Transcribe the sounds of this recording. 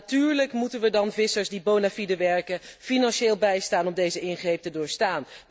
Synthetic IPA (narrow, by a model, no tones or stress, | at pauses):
tyːɹləkmutənʋədɑnvɪsəɹsdibownafidəʋɛɹkəfinɑnʃeːlˠbɛjstaːnɔmdejzəɪnχrejp̚tədʊːɹstaːn